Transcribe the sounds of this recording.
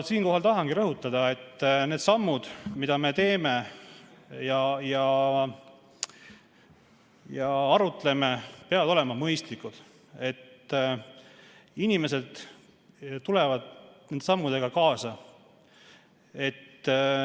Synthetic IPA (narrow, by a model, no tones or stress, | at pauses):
siːnko̞ɦɑlt̪ɑɦɑŋɡ̥iɾɤɦut̪ːˑɑd̪̥ɑe̞t̪ːneːd̪̥sɑmːud̪̥mid̪̥ɑme̞t̪e̞ːme̞ | jɑjɑ | jɑɑɾut̪ːˑle̞me̞peɑvɑd̪o̞le̞mɑmɤjst̪likːud̪̥ | e̞t̪ː | inime̞se̞d̪̥ | t̪ːulevɑd̪̥ned̪̥sɑmːud̪̥e̞ɡ̥ɑkɑːsɑ | e̞t̪ː